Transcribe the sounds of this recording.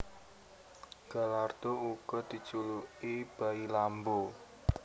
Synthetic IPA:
ɡ̥a̤lard̪̥ouɡ̥ɔd̪̥i̤t͡ʃuluʔib̥ailambo

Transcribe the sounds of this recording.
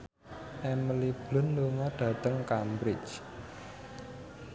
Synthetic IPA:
ʔɛməlib̥lʊ̤nluŋɔɖ̥ä̤t̪əŋkambɾɪt͡ʃ

